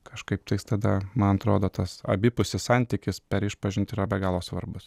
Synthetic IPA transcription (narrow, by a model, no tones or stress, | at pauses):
kɐʃkɐɪp̚t̪ɐɪst̪ɐd̪ɐmɐnɐt̪ɾoːd̪oːt̪ɐsɐ̰bʲɪpʊsʲɪsɑnʲt̪ʲɪkʲɪspʲɛɾɪʃpɐʒʲɪnt̪iːɾɐbʲɛɡɑːlˠoːsʋɐɾbʊs